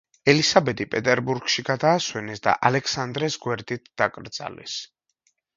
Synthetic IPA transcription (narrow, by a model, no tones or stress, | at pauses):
ɛlisabɛt̪ipʼɛt̪ʼɛɾbuɾɡʃiɡad̪aːswɛnɛsd̪a̰ʔalɛksand̪ɾɛsɡwɛɾd̪it̪ʰd̪̥akʼɾd̪z̥a̰lɛ̰s